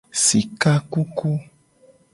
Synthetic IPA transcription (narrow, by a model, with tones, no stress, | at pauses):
si˨ka˦ku˦ku˦